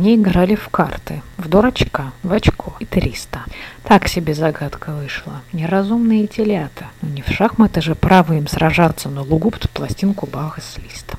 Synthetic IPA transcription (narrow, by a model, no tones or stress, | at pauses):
nʲeɪɡɾalʲɪfkart̪ɨvd̪oɾɐt͡ɕkavɐt͡ɕkʰoit̪ɾʲist̪ət̪aksʲɪbʲezɐɡat̪kəvɨʂlˠənʲɪɾɐzumnɨjtʲɪlʲat̪ʰɨnonʲɪfʂaxmət̪əʐɨpɾavɨjɪmsɾɐʐat̪sːənəlˠʊɡupt̪plˠɐsʲtʲinkʊbaɣəsʲlʲist̪